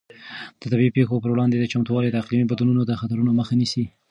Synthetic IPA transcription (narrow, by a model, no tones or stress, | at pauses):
d̪̥ət̪abiipexopəɾwɽɑnd̪ed̪ət͡ʃamt̪wɑled̪əaqlimibad̪ununod̪əxat̪aɾunoməxanisi